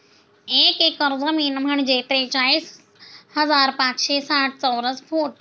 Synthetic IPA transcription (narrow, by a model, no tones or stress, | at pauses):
eːkekːəɾzəmiːnm̤ʱəɳ̃d͡ʑeːt̪ɾet͡ɕaːiːs | hɐzaːɾpãːt͡ɕʃeːsaːʈ̚ʰt͡sɔːɾəsfʰoːʈ